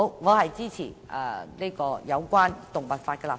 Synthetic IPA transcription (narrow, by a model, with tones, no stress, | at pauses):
wŋɔː˨˧hɐ˨˩jt͡siː˥t͡sʰiː˨˩ʔəː˧li˥kɔː˧jɐ˨˧wkwaː˥nt̪ʊ˨˩ŋpa˨˩t̚faː˧t̚kɛ˧la˨˩